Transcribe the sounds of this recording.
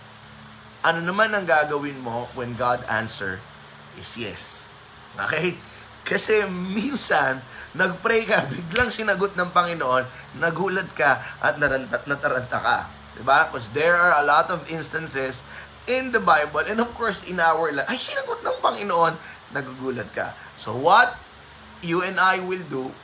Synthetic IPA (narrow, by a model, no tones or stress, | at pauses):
ʔɐnonɐmanɐŋɡaːɡɐwɪnmo̞wɛnɡad̪a̰nsɛ̰ɹ | ʔɪsjɛ̰s | ʔo̰kɛj | kɐsɛminsɐnːɐɡ̚pɾɛjkɐbɪɡlaŋsɪnɐɡot̪̚nɐŋpɐŋɪnoʔo̞nː | ɐɡuːlɐd̪̚kɐʔɐ̰t̪̚nɐɾɐnt̪ɐnɐt̪ɐɾɐnt̪ɐ̰kɐ̰ | d̪ɪbakosd̪ɛɹaɹɐlɔt̪ɔvɪ̃nst̪ɐnsɛs | ʔɪ̃nd̪ɐbajbɐlʔɛ̃nd̪ɔv̥koɹsɪnawɛɹlɐŋʔɐjsɪnɐɡot̪̚nɐŋpɐŋɪnoʔo̞nː | ɐɡuɡuːlɐd̪̚kɐ̰ | so̰wɐt̪̚ | juɛ̃najwɪld̪u